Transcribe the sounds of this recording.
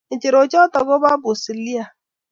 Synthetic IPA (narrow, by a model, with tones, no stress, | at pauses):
n̩˨t͡ʃɪ˨ɾo˨t͡ʃɔ˦tɔ˨ɡo˦ba˦bʊ˨si˨li˦a˨